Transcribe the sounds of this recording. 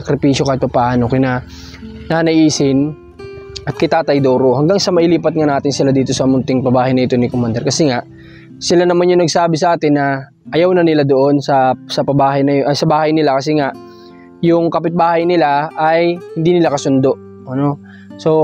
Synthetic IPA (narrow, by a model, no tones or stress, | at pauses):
ɐkɾɪpiːʃjo̞kaːɪt̪pɐpaʔaːnokɪnɐ | nanɐʔiːsɪn | ʔɐt̪̚kɐjt̪aːt̪ɐjd̪oːɾo̞hɐŋɡaŋsɐmɐʔɪliːpɐt̪̚ŋanaːt̪ɪnsɪlad̪iːt̪o̞sɐmʊnt̪ɪŋpɐbaːhɐjnɐɪt̪o̞nɪkomand̪ɛɾkɐsɛŋaʔ | sɪlanɐmanjʊŋnɐɡsaːbɪsɐʔaːt̪ɪnːɐ | ʔɐjawnɐnɪlad̪o̞ʔo̞nsɐsɐpɐbaːhɐjnɐsɐbaːhɐjnɪlakɐsɛŋaʔ | jʊŋkɐpɪt̪̚baːhɐjnɪlaʔɐjhɪnd̪iːnɪlakɐsʊnd̪o̞ʔ | ɐno̞ | so̞